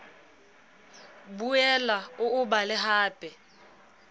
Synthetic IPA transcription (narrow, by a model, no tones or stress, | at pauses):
buɛlaʊʊbalɪɦaːpʼɛ